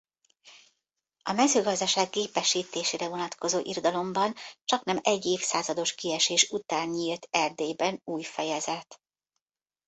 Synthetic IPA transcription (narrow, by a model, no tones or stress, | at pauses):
ɒmɛzøːɡɒzd̪ɒʃaːɡːeːpɛʃiːt̪eːʃeːɾɛvo̞nɒt̪ko̞zoːʔird̪ɒlo̞mbɒnt͡ʃɒknɛmɛɟːeːfsaːzɒd̪o̞ʃkiɛʃeːʃut̪aːɲːiːlt̪ʰɛrd̪eːbɛnuːjfɛjɛzɛt̪